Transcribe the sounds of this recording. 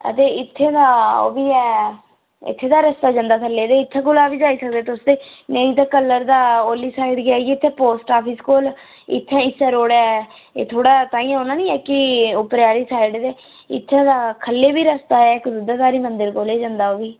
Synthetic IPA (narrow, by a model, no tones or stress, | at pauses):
ə̰t̪eːɪt̪ʰːeːd̪aːo̰ːbiːɛː | ɪ̰t̪ʰːeːd̪aːɾəst̪aːoːd͡ʒãːnd̪aːkʰəlːeːd̪eːɪt̪ʰːãːɡʊlaːʋiːd͡ʒaːiːsək̚d̪eːt̪ʊsd̪eːnəĩːt̪ãːkəlːəɾd̪aːoːliːsaːiɖɡɪaːiiːɪt̪ʰːẽːpoːsʈaːpʰiːskoːl | ɪ̰t̪ʰːãːɪsɛːɾoːɽɛː | ḛːt̪ʰoːɽaːt̪aːĩːãːoːnãːnĩːɛːkɪʊpɾaːɾiːsaːiɖd̪eː | ɪ̰t̪ʰːẽːd̪aːkʰəlːeːbiːɾəst̪aːɛːɪkd̪ʊd̪aːd̪aːɾiːmənd̪əɾkoːleːd͡ʒãːnd̪aːoːʋiː